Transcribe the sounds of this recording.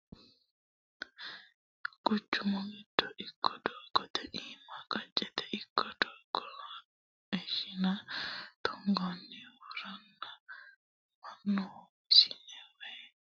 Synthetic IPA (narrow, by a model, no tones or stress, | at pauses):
kut͡ʃːumɔŋitːɔʔikʰːɔdɔɡɔt̪ɛʔimakad͡ʒɛt̪ɛʔikʰːɔdɔɡɔ | ɛʃinat̪ʰɔŋɡɔnːiwuɾanːa | manːɔ | sinɛwɛ